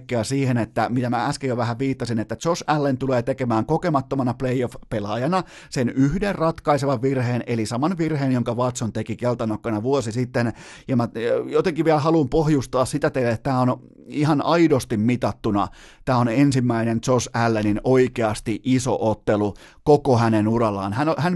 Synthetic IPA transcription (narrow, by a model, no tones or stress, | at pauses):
kːeæsiːhenet̪ːæmit̪æmææskejoʋæhæʋʋiːt̪ːɑsinet̪ːæt̪t͡ʃosælːent̪uleːt̪ekemæːŋkokemɑt̪ːomɑnɑpleiofpelɑjɑnɑ | senyhderrɑt̪kɑiseʋɑʋʋirheːnelisɑmɑnʋirheːnjoŋkɑʋɑt̪sont̪ekikelt̪ɑnokːɑnɑʋuosisit̪ːenjɑmæjot̪eŋkiʋʋiælhɑlumpohjust̪ɑːssit̪æt̪eilætt̪æːon | ihɑnɑidost̪immit̪ɑt̪ːunɑ̰ | t̪æːonensimːæinent̪sosælːeninoikeɑst̪iʔiso̰ʔot̪ːelu | kokohænenurɑlːˑɑ̰ːnhænhæn